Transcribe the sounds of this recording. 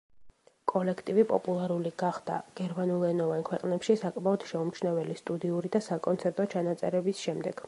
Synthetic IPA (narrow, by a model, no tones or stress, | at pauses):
kʼɔlɛkʰt̪ʼivipʼɔ̰pʼulˠaɾuliɡ̥aχd̪̥a̰ɡ̥ɛɾmanulˠɛnɔvankʰwɛqʼnɛpʃisakʼmaɔd̪̥ʃɛumt͡ʃʰnavɛlist̪ʼud̪iuɾid̪asakʼɔnt̪sʰɛɾt̪ʼɔt͡ʃʰanat̪sʼɛɾɛbisʃɛmd̪ɛɡ̥